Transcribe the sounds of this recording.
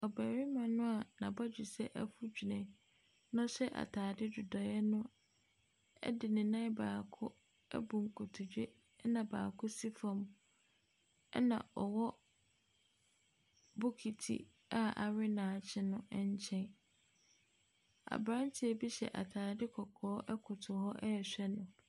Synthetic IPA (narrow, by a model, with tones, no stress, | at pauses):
ɔ˨bæː˨ɾɪ˦mã˨nʊ̃˦a˨nã˨ba˦d͡ʑᶣu˨sɛ˦ʔæ˦fu˦d͡ʑᶣu˨nɛ̃˨ | nʊ̃˦ɕɛ˦ʔa̰˨tʰaː˨dɪ˦dʊ˨dɔ˨ɛ˦nʊ̃˦ | ɛ̰˦dɪ˨nɪ̃˨nã˦baː˨kʰʊ˦ | ɛ̰˦bũ˨ŋ̩˨kʰɔ˨tʰʊ˨d͡ʑᶣe˦ | nã˨ba̰ː˨kʰʊ˦si˦fã˨m | ɛ˦nã̰˨ʔɔ˨wɔ˦ | bʊ˦kʰi˨tʰḭ˦ | a˦ʔa̰˨ɾɪ˦nãː˨t͡ɕʰɪ˦nʊ̃˦ɛ˦ɲ˦t͡ɕʰɛ̃˦n | a̰˨bɾã˦ntʰɪ˦ɛ˨bi˦ɕɛ̰˨ʔa̰˨tʰaː˨dɪ˦kʰɔ˨kʰɔː˦ʔɛ˦kʰʊ˨tʰʊ˨hɔ˦ʔɛ˦ɛ˨ɕᶣɛ˦nʊ̃˨